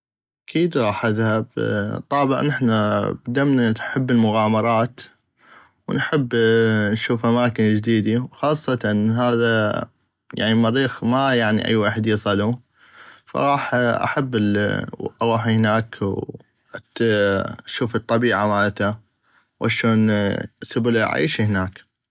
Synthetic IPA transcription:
ʔʔakʰiːd̪ɣˤɑːħʔaðhabt̪ˤɑːbɪ̰ʕnɪħnabd̪amnaħɪbːɪlmʊɣaːmɑɾˤɑːt̪ | wnħɪbːnʃuːfʔamaːkɪnd͡ʒd̪iːd̪iwxɑːsˤːɑt̪nɦaːða | ja̰ʕnimaɾiːxmajaʕnḭʔa̰jːwaːħəd̪jɪsˤɑlu | fa̰ɣˤɑːħʔa̰ħabːɪl̰ʔɣaːħihnaːkw | ʃuːfɨt̪ˤːɑbiːʕamaʕt̪a | wʔa̰ʃoːnsʊblaʕa̰jʃihnaːk

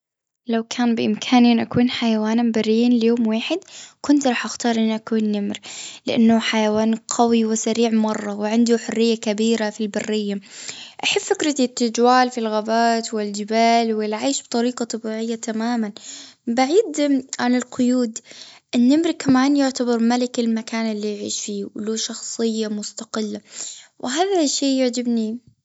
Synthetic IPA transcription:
lawkʰaːnbɪʔɪmkʰaːniʔɪnːʔakuːnħajawaːnmbarːiːnlɪjoːmwaːħɪd̪kʊnt̪ɾˤɑːħʔaxt̪ɑːɾˤʔɪnːʔakuːnːɪmɾlɪʔanːʊħajawaːnqʰawiwɪsaɾiːʕmɑrˤːɑwɪʕɪnd̪uħʊrːɪjːakabiːɾafilbarːɪjːaʔaħɪbfɪkɾɪt̪it̪ːad͡ʒwaːlfilɣabaːt̪wɪld͡ʒɪbaːlwɪlʕaːʃbt̪ˤɑɾiːqɑt̪ˤɑbiːʕɪjːat̪ʰamaːmanbaʕiːd̪ʕanɪlqʊjuːd̪ʔɪnːɪmɾɪkːamaːnjʊʕt̪abɑɾˤmalɪkɪlmakaːnɪlːijʕḭːʃfiːwɪluːʃɑxsˤɨjːamʊst̪aqɪlːawʔɪɦaːðaʃːiːjaʕd͡ʒɪbni

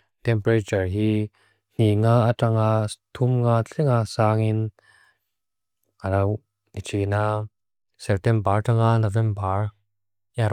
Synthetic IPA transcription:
t̪ɛmpɾet͡ʃɐɹɦi | n̥iŋaːataŋat̪ʰumŋaːt͡ɬʰɛŋasaːŋin | alaw | nit͡ʃʰina | sɛp̚t̪ɛmbaɹtaŋanɔvɛmbaɹ | jaɾ

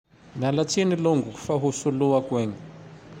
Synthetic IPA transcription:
nalatʰiniloŋɡuku̥faɦusuluwakwɛːŋɡɛ

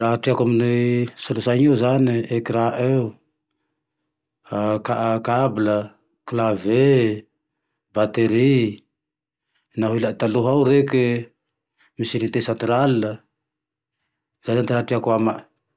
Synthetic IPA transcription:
ɾaɦaʈ͡ʂiakaminisulusaɲiuzaniekiɾaʔeu | kaʔakablə | klave | bat̪eɾi | naɦilaʔt̪aluɦawɾeki | misiɾint̪esant̪ɾalinə | zajzant̪iɾaʈ͡ʂiakuama

